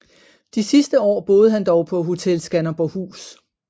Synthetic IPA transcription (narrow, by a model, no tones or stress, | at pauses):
d̥isisd̥əɒ̰ːb̥o̝ːð̞ˠəɦænd̥ɒʊpʰɒ̽ɦo̝t͡sʰelsɡ̥ænɐb̥ɒhṵːs